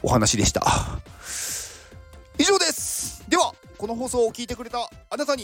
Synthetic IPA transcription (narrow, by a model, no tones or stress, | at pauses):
ohanaɕid̪e̞ɕi̥t̪a̰ | iʑo̞ːd̪e̞sɨ̥d̪e̞βa | ko̞no̞ɦo̞ːso̞ːkʲiːt̪e̞kɯ̟ɾe̞t̪aːnat̪aɲ̟i